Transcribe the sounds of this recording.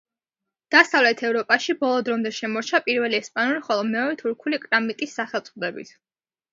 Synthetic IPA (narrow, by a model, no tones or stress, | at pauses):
d̪̥asavlɛt̪ʰɛvɾɔpʼaʃibɔlˠɔd̪ɾɔmd̪ɛʃɛmɔɾt͡ʃʰapʼiɾvɛliɛspʼanuliχɔlˠɔmɛɔɾɛt̪ʰuɾkʰulikʼɾamit̪ʼisːaχɛlˠt̪sʼd̪ɛbḭt̪ʰ